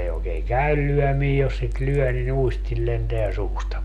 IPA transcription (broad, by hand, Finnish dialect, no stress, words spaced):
ei oːkeːŋ kæyl lyœˑmiː jos sit lyœˑ nin uistil lenteæ suːstɑ